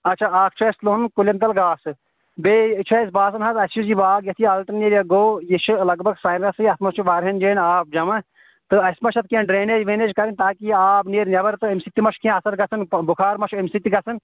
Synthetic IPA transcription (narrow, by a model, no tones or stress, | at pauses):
ɐtːt͡ʃʰaːaːk̚ʰt͡ʃʰːslonkulʲɐnt̪̬ɐlɡaːsɨ | beːt͡ʃʰɐjsbaːs̬ɐnɦɐt̪ɐsid͡ʒibaːɡjɐt̪ʰiɐlʈɐnneɾjɐɡoːjiʃɨlɐɡbʱɐɡsɐːnɾɐsɨɐt̪ʰmɐst͡ʃʰuʋaːɾɦɐnd͡ʒeːnaːp̚d͡ʒɐmɐ | t̪ɨɐsmɐʃʰɐt̪̚ʰkẽnɖɾeːneːd͡ʒʋeːneːd͡ʒkɐɾinʲt̪aːkiaːbneːɾnʲɐbɐɾt̪ɨemsit̪ːimɐʃkʰẽɐsɐɾɡɐt͡sʰɨnbukʰaːɾmɐʃʰuemsit̪iɡɐt͡sʰɨn